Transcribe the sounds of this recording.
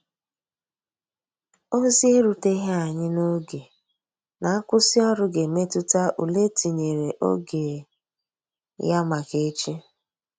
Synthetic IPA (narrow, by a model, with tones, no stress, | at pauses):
o˦zi˦e˦ɾu˨te˦ɦe˦a˨ɲɪ˦no˦ɡe˨ | na˨˦kʷʊ˦si˦ɔ˦ɾʊ˦ɡe˨me˦tʊ˦ta˦ʔu˨le˦ti˨ɲe˨ɾe˨ʔo̰˦ɡe˨ | ja˦ma˨ke˦t͡ʃi˦